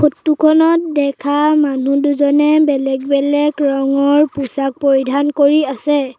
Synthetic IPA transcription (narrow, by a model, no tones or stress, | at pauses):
pʰotːukʰɔnɔt̚dɛkʰamanuduzɔnɛbɛlɛɡbɛlɛɡɹɔŋɔɹpusak̚poɹidʱankoɹiasɛ